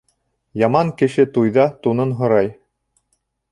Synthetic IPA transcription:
jɑmɑŋkɘ̆ʃɘt̪ujðɑt̪unɤnɦŏɾɑj

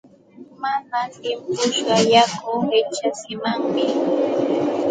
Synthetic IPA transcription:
manat̪ɪmpʊʃɢɑjakʊɾɪt͡ʃasɪmaŋmɪ

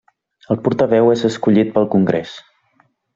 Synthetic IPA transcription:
əlˠpuɾt̪əβɛwezəskuʎit̪̚pəlˠkuŋɡɾḛs

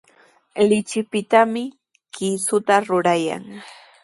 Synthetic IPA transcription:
lɪt͡ʃɪpɪt̪amɪ | kisʊt̪aɾʊɾaja̰ŋ

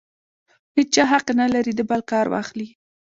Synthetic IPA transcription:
net͡ʃɑɦaqenalaɾid̪əbalkɑɾwɑ̰xli

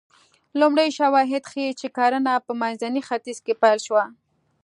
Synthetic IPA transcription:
lʊmɽajʃawɑɦɪd̪xəet͡ʃekɑɾənapəmanzanixat̪izkepajlʃwa

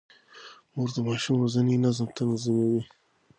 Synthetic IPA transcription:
moɾd̪əmɑʃumɾozaninazəmt̪ʰanazəmewi

